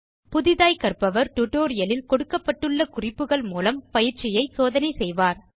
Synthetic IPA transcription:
pʊðɪðaːjkɐɾpɐʋɐɾʈʊʈoːɾɪjɐlɪlkɔɽɯkːɐpːɐʈːɯɭːɐkʊrɪpːɯɣɐɭmuːlɐmpɐjɪɾt͡ʃɪjɐɪsoːðɐnɐɪsɛjʋaːɾ

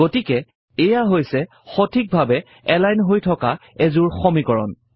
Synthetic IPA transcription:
ɡotikɛ | ɛjaɦojsɛ | xɔtʰik̚bʱabɛ | ɛlajnɦojtʰɔkaɛzuɹxɔmikɔɹɔ̰n

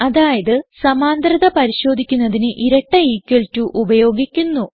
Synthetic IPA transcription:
ɐðaːjɐðɨsɐmaːnd̪ɾɐðɐpɐɾiɕo̞ːd̪ʱikʲːunːɐðinɨʔiɾɐʈːɐiːkʲːeɭtːuʔubɐjo̞ːɡikʲːunːu

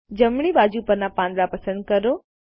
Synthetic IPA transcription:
d͡ʑɐmɽ̃iɓaːd͡ʑupɐɾnãpãːnd̪ɾapɐsə̃nd̪̚kɐɾoː

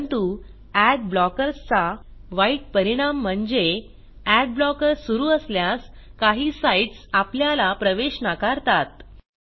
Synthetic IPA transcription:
nt̪u | æɖ̚blɔkəɾst͡saʋaiʈ̚pəɾiɽ̃am̤ːəɳd͡ze | æɖ̚blɔkəɾsuɾuːəsljaskaɦiːsaiʈsapljalapɾəʋeɕnakaɾt̪at̪

